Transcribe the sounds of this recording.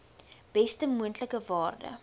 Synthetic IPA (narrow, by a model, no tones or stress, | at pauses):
b̥ɛstəmuəntləkəvɑːrdə̰